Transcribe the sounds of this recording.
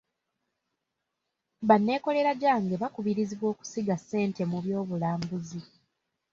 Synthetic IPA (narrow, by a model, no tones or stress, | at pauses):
βanːe̞ːko̞le̞ɾaɟaːŋɡe̞βakuβiɾiziβwo̞ːku̥siɡasːe̞ːnte̞muβjo̞ːβulaːmbuzi